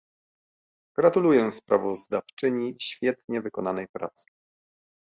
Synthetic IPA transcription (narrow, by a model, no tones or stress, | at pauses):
ɡ̥ɾat̪ulujɛspɾavɔzd̪aft͡ʂɘɲiɕfʲjɛt̪ɲɛvɘkɔnanɛjpɾa̰t̪sɘ̥